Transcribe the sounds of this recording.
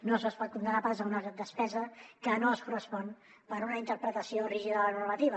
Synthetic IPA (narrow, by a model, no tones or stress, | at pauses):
nozəspɔt̪̚kund̪ənapazəunəɣɾad̪əspɛzəkənoəskurəspɔn | pəɾunəint̪əɾpɾət̪əsioriʒiðələnurmət̪iβə